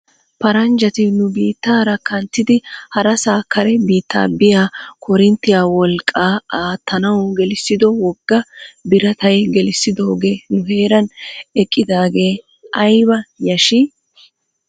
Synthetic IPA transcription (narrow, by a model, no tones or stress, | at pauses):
pɐɾɐnd͡ʒɐt̪ɪnʊbiːt̪ːaːɾɐkɐnt̪ːɪd̪ɪhɐɾɐsaːkʰːɐɾɛbiːt̪ːa̰ːbɪjaːkʰɔɾɪnt̪ːɪjaːwɔlkʼːaːaːt̪ʰːɐnɐwɡɛlɪsːɪd̪ɔwɔɡ̥ːɐbɪɾɐt̪ɐjɡɛlɪsːɪd̪o̞ːɡeːnʊɦe̞ːɾɐnɛkʼːɪd̪aːɡe̞ː | ʔɐjbɐjɐʃɪ